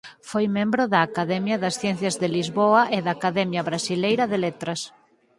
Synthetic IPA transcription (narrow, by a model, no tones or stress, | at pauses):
fojmẽmbɾʊðɐːkaðɛmjɐðɐsθjɛ̃n̟θjɐzðelizβoɐʔeðɐːkaðɛmjɐβɾasilejɾɐðelet̪ɾɐs